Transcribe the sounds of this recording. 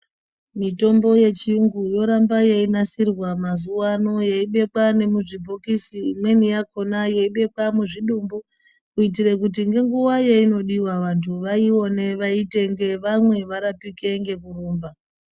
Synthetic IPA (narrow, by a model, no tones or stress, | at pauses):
mito̞mbo̞je̞t͡ʃiuŋɡujo̞ɾambajeinasirwamazuwano̞jeiɓe̞kwane̞muʐibʱokisimwe̞nijakonajeiɓe̞kwamuʐiɗumbu | uit̬ire̞kut̬iŋɡe̞ŋɡuwajeino̞ɗiwaʋantʰuʋaio̞ne̞ʋaite̞ŋɡe̞ʋamwe̞ʋaɾapike̞ŋɡe̞kuruːmba